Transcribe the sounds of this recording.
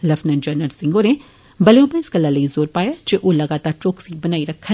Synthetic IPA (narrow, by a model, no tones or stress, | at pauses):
lɐfnənd͡ʒəːɾnəlsɪ̃ŋɡoːɾẽ | bɐleõbə̃ɪsɡɐlːalɐizoːɾpaːjad͡ʒeʔolɐɡaːt̪aːɾt͡ʃoːksibɐnaːiɾɐkʰːə